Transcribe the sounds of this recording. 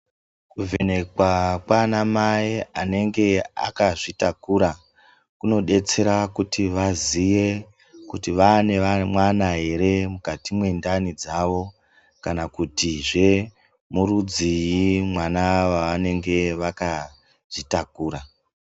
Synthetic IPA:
kuve̞ne̞kwakwanamaiane̞ŋɡe̞a̰kaʐitakuɾa | kuno̞ɗe̞t͡se̞ɾakutiʋazije̞ | kutiʋane̞ʋamwanaɦe̞ɾe̞mukatimwe̞ndanid͡zaʋo̞ | kanakutiʐe̞ | murud͡zijimwanaʋaʋane̞ŋɡe̞ʋaka | ʐ̥itakuːɾa

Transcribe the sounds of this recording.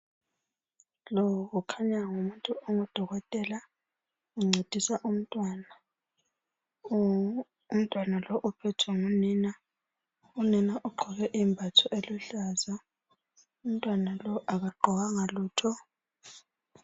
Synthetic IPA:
lɔɣukʰaɲaŋumuntʼuoŋɔd̥ʱɔɣɔtʼɛla | uŋ͡ǀʱed̥ʱisaʔum̩tʼwana | um̩tʼwanalɔʔupʰɛtʰuŋunina | uninaʔuɡ͡ǃʱɔɣɛʔimbʱatʰɔʔeluɬaːza | um̩tʼwanalɔʔaɣaɡ͡ǃʱɔɣaŋaluːtʰɔ

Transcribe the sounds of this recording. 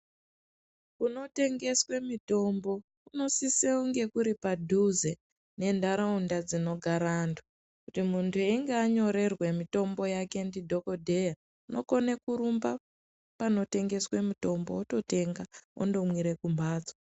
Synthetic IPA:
kuno̞te̞ŋɡe̞swe̞mito̞mbo̞ | uno̞siseuŋɡe̞kuɾipadʱuze | ne̞ndaɾaundad͡zino̞ɡʱaɾantʰu | kutimuntʰueiŋɡeaɲo̞ɾe̞rwe̞mito̞mbo̞jake̞ndidʱo̞ko̞dʱe̞ja | uno̞̰ko̞nekuɾumba | pano̞te̞ŋɡe̞swe̞mito̞mboːto̞te̞ŋɡao̰ndo̞mwiɾe̞kumbaːd͡za

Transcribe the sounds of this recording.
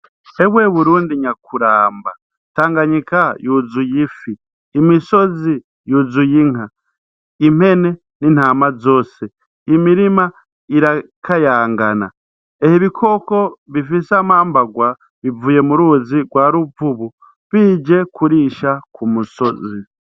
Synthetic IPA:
e̞βwe̞βuɾuːndiɲakuɾaːmba | taːŋɡaɲikajuzujifiː | miso̞zi | juzujiŋa | im̥he̞ne̞ | nin̥haːmazo̞ːse | imiɾima | iɾa | kʰajaːŋɡana̰ | ehiβikʰo̞ko̞βifisamaːmbaɡwa | βivuje̞muɾuːziɡwaːɾuvuβu | βiːd͡ʒe̞kuɾiːʃakumuso̞zi

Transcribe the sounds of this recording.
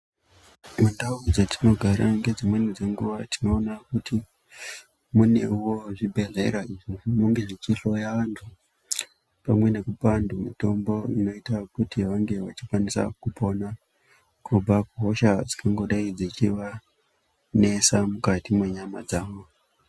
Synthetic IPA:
mundaud͡zatino̞ɡʱaɾa̰ŋɡe̞d͡zimwe̞nid͡ze̞ŋɡuʋatino̞ːnakuti | mune̞̰uwo̞ʐibʱe̞ɮe̞ɾaiʐimuŋɡeʐit͡ʃiɬo̞jaʋantʰu | pamwe̞ne̞kupandumito̞mbo̞ino̞itakutiʋaŋɡe̞ʋa̰t͡ʃikwanisa̰kupo̞na | kub͡vakuɦo̞ʃad͡zi̥kaŋɡo̞ɗaid͡zit͡ʃiʋa | ne̞samukatimwe̞ɲamad͡zaːʋo

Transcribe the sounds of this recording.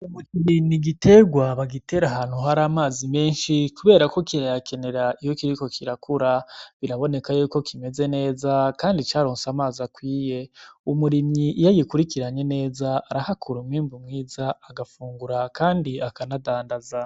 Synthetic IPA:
umukiɾiɲiɡite̞ɡwaβaɡite̞ɾaɦaːn̥huɦaɾaːmaːzime̞ːnʃikuβe̞ːɾako̞kiɾajakʰe̞ne̞ɾaijo̞kiɾiko̞kʰiɾakʰuɾaβiɾaβo̞ne̞kajuːko̞kʰime̞ze̞ne̞ːzakaːndit͡ʃaːɾo̞ːnsamaːzakwiːje̞umuɾiɲɲiʔijajikuɾikiɾaɲe̞ne̞ːzaːɾahakʰuɾumŋiːmbumŋiːzaaɡafuːŋɡuɾakaːndiakanadaːndaza

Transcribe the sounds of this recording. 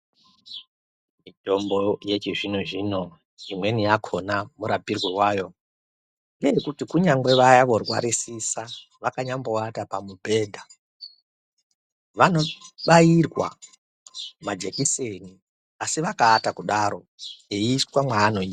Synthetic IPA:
mito̞mbo̞je̞t͡ʃiʐinoʐino̞ | imwe̞nijakʰo̞namuɾabʱirwewaːjo̞ | ŋɡeekutikuɲaŋɡwe̞ʋajaʋo̞rwa̰ɾisisa | ʋakaɲambo̞atapamubʱe̞ːdʱa | ʋano̞ɓajirwa̰ | mad͡ʒe̞kiseni | asiʋakaːtakuɗaɾo̞ | eiswamwaːno̞ia

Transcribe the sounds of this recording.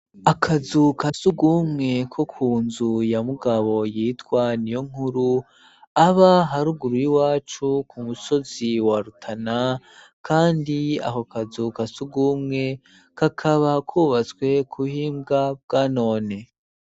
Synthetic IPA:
akʰazukasuɡumŋe̞kʰo̞kʰuːnzujamuɡaβo̞jiːtkwanijoŋ̥huɾu | aβaɦaɾuɡuɾujiwaːt͡ʃukʰumuso̞ziwaɾutʰana | kʰaːndia̰hokʰazukasuɡumŋe̞ | kakʰaβakʰuːβat͡swe̞kʰuhiːmɡab̚ɡaːno̞ːne

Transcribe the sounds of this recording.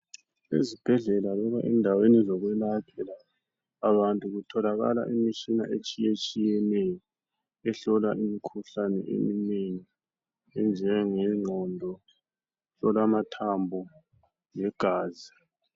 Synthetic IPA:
ḛzib̥ʱɛɮɛlalɔβaʔɛndʱawenizɔɣwɛlakʰɛlaː | βantʼuɣutʰɔlaɣa̰la̰ʔimit͡ʃina̰ʔet͡ʃʼijet͡ʃʼijɛnɛjɔ | ɛɬɔlaʔimikʰuɬanɛ̰ʔḛmineni | ɛnd͡ʒʱɛŋɛŋ͡ǀʱɔndʱɔ | ɬɔlamatʰambʱɔ | jɛɡ̥ʱaːzi

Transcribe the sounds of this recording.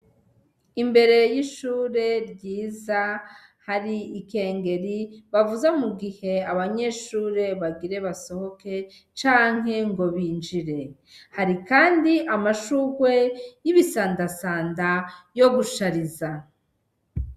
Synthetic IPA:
imbe̞ɾe̞jiʃuːɾe̞ɾɟiːza | haɾiːke̞ːŋɡe̞ɾiβavuzamuɡihe̞aβaɲe̞ʃuːɾe̞βaɡiɾe̞βaso̞ho̞ke̞ | t͡ʃaːŋ̥ɦe̞ŋɡo̞βiːnd͡ʒiɾe̞ | haɾikaːndiʔamaʃuːɡwe̞jiβisaːndasaːndajo̞ɡuʃaɾiza

